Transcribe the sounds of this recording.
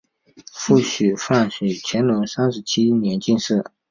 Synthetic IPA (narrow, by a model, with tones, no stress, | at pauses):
fu˥˩ɕy˨˩fa˥˩nɕy˨˩t͡ɕʰjɛ˧˥nlʊ˧˥ŋsa˥nʂɻ̩˧˥t͡ɕʰi˥njɛ˧˥nt͡ɕi˥˧nʂɻ̩˥˩